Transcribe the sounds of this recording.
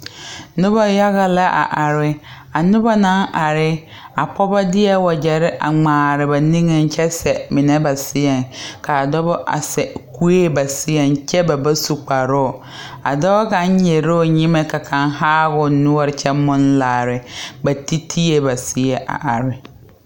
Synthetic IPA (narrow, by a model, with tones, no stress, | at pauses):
nʊ˦ba˦ja˦ɣa˦la˦ʔa̰˨ʔa˨ɾɪ˦ | a˨nʊ˦ba˦nã˨˦nʔa˨ɾɪ˦ | a˨pʰɔ˦ba˦dɪ˦ɛ˦wɔ˨d͡ʒɛ˨ɾɪ˦ʔa̰˨ŋ͡maː˨ɾɪ˨ba˨nĩ˦ŋe˦˨n˦t͡ʃʰɛ˦sɛ˨mɪ˨nɛ˦ba˨sɪ˦ɛ˨ŋkʰa˨dɔ˦bɔ˦ʔa̰˨sɛ˨ku˦e˦˨ba˨sɪ˦ɛ˨nt͡ʃʰɛ˦ba˨ba˦su˨k͡pa˨ɾɔ˦˨ | a̰˨dɔ˦bka˨ɲ˦ɲɛ˨ɾo˦˨ɲĩ˦mɛ˨kʰa˨kʰã˨nhaː˦ɣʊ˨nʊ̃˦ɔ˦˨ɾɪ˨t͡ʃʰɛ˦mʊ̃˦n˦laː˨ɾɪ˨ba˨ti˦tʰi˦e˨ba˨sɪ˦ɛ˨ʔa̰˨ʔa˨ɾɪ˦